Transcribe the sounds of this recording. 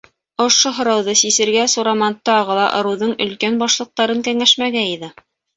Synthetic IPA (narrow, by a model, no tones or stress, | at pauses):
ŏʃoɦŏɾɑwðɤsisɘ̆ɾɡæsuɾɑmɑnt̪ɑʁɤ̆lˠɑ̰ʔɤ̆ɾɤ̆wðɤɴɵ̆lkænbɑʃlˠɤ̆q̚t̪ɑɾɤŋkæŋæʃmæɡæiðɘ